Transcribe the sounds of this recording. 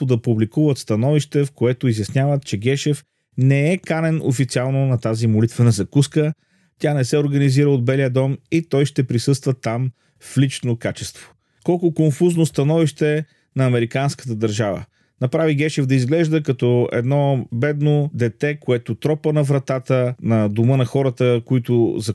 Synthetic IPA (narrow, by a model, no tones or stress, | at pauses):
pʊd̪ɐpublikuvət̪st̪ɐnɔviʃt̪ɛfkoɛt̪ʊizjɐsnʲjavət̪t͡ʃɛɡɛʃɛf | nɛɛkanɛno̰fit̪sialˠnonɐt̪azimolit̪vənɐzɐkuskə | t̪ʲanɛsɛoɾɡɐniziɾəod̪̚bɛlijəd̪ɔmit̪ɔjʃt̪ɛpɾisɤst̪vət̪am | flit͡ʃnokat͡ʃɛst̪v̥o̥ | kɔlˠkʊkonfuznost̪ɐnɔviʃt̪ɛ | nɐːmɛɾikanskə̥t̪̬əd̪ɐɾʒavə̰ | nɐpɾaviɡɛʃɛvd̪ɐizɡlɛʒd̪əkɐt̪ɔɛ̰d̪nɔbɛd̪nod̪ɛt̪ɛkoɛt̪ʊt̪ɾɔpənɐvɾɐt̪at̪ənɐd̪omɤnɐxɔɾət̪əkoit̪ʊzɐ